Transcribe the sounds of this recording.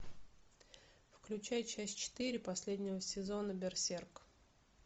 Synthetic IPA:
fklʲʉt͡ɕæjt͡ɕæsʲtʲt͡ɕɪ̥t̪ɨɾʲɪpɐsʲlʲedʲnʲɪvəsʲɪzo̞nəbʲɪrsʲerk

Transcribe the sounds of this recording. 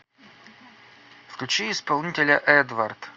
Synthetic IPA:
fklʲʉt͡ɕiɪspɐlˠnʲitʲɪlʲəʔɛd̪vɐrt̪

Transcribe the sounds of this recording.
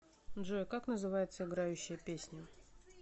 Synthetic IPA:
dʐojkaknəzɨvajɪt̪səɪɡɾajʉɕːɪjəpʲesʲnʲʊ

